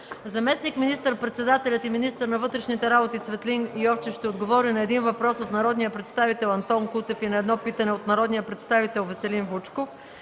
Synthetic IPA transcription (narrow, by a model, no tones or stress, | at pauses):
zɐmɛsnikminist̪əɾpɾɛt̪sɛd̪at̪ɛlʲɐt̪iminist̪əɾnɐvɤt̪ɾɛʃnit̪ɛɾabot̪it̪svɛt̪liniɔft͡ʃɛʃt̪ɛod̪ɡovɔɾinɐɛd̪invɐpɾɔsot̪nɐɾɔd̪nijəpɾɛt̪st̪avit̪ɛlˠɐnt̪ɔnkut̪ɛfinɐɛd̪nɔpit̪ɐnɛot̪nɐɾɔd̪nijəpɾɛt̪st̪avit̪ɛlˠvəsɛlinvut͡ʃkof